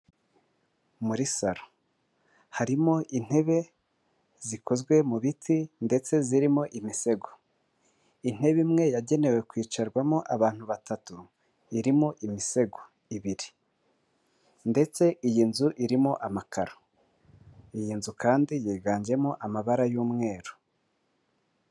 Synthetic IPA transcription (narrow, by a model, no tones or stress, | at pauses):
muɾisaɾo̥ | haɾimo̞ʔin̥he̞βe̞ | zikʰo̞zɡwe̞muβitʰinde̞t͡se̞ziɾimo̞ʔimise̞ɡo̥ | in̥he̞βimŋe̞jaɟe̞ne̞we̞kwiːt͡ʃaɾɡwamo̞ʔaβaːn̥huβatatu | iɾimoʔimise̞ɡo | iβiɾi | nde̞t͡se̞ʔijiːnzuʔiɾimo̞ʔamakaɾo̥ | ijiːnzukaːndijiːɡaːɲɟe̞moʔamaβaɾajuːmŋe̞ːɾo